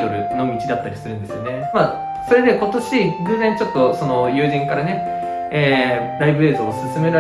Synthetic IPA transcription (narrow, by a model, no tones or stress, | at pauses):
t̪o̞ɾɯ̟no̞mʲit͡ɕid̪at̪ːaɾʲisɨɾɯ̃nd̪esɨjo̞ne̞ma | so̞ɾe̞d̪eko̞t̪o̞ɕiɡɯzẽɲit͡ɕo̞t̪ːo̞so̞no̞jɯ̟ːʑĩŋkaɾane̞ | eːɾaibɯ̟eːzɨosɨsɨme̞ɾa